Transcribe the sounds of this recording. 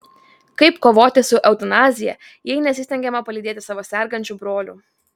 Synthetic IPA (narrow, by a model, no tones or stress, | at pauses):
kɐɪpkoːʋoːt̪ʲɪsʊʔɛʊt̪ɐnɑːzʲɪjɛ | jɛɪnʲɛsʲɪsʲt̪ʲɛŋʲɡʲɛmɐpɐlʲiːd̪ʲeːt̪ʲɪ̥sɑːʋoːsʲɛˑɾɡɐnʲt͡ʃʲubɾoːlʲʊ̰ː